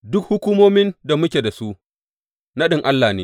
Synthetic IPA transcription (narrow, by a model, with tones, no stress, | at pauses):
dʊ˦k̚hʊ˦kʷuː˦moː˦mɪ˦nda˨mʊ˦kʲeː˨da˨su˦ʔ | na˦ɗɪ˦ŋʔa˦lːaː˨neː˦